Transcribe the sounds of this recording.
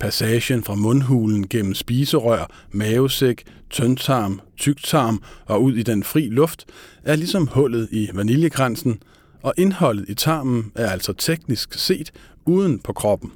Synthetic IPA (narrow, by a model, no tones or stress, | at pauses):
pʰæsɛːɕənfʁɑ̈mɔ̽nɦuːln̩ɡ̥en̰m̩sb̥iːsəʁœɐ̰ | mɛːʊseɡ̥ | t͡sʰønt͡sʰɑ̈ːmt͡sʰyɡ̥̚t͡sʰɑ̈ːmʔɒ̽uð̞̰ˠid̥enfʁḭːlɔ̽fd̥ʔæɐlisɒ̽mhɔ̽l̰ð̩ˠiʋæniljəɡ̥ʁansn̩ | ʔɒ̽ʔe̝nhɒ̽l̰ð̞̩ˠit͡sʰɑ̈ːmn̩æɐæl̰sɒ̽t͡sʰeɡ̥nisɡ̥se̝̰ːd̥ | uːð̞ˠn̩pʰɒ̽kʰʁɒ̽b̥n̩